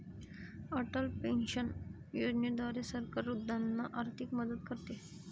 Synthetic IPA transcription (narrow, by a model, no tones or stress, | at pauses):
əʈəlpenɕən | jod͡ʑnid̪ʋaɾesəɾkaɾːud̪anːaʔaɾt̪ʰikməd̪ət̪̚kəɾt̪e